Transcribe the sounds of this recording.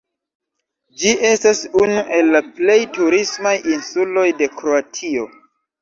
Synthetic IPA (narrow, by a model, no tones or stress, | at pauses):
d͡ʒiʔe̞stasunuʔe̞lːaple̞jtuɾismajinsulo̞jde̞kɾo̞atʰio̞